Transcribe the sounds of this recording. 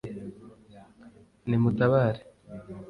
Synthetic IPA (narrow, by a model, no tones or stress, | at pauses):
nimutaβaːɾe̥